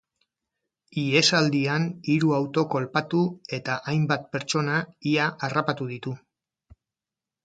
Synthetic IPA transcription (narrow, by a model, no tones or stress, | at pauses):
ie̞sald̪ianiɾuawt̪o̞ko̞lpat̪ue̞t̪aʔajmbat̪̚pe̞ɾt͡ʃo̞naiaʔarapat̪uð̞it̪u